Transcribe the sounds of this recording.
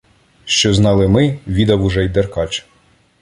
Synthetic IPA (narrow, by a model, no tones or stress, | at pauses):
ʃt͡ʃɔznɑlˠɪmɪʋʲid̪ɐwʊʒɛjd̪erkɑt͡ʃ